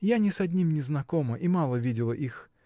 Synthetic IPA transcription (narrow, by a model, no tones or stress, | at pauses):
janʲɪsɐdʲnʲimnʲɪznɐkoməʔimalˠəvʲidʲɪlˠəʔix